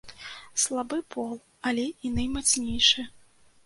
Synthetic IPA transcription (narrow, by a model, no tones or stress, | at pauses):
slˠabɨpʰɔlˠ | ɐlʲɛinajmat̪snʲɛjʂɨ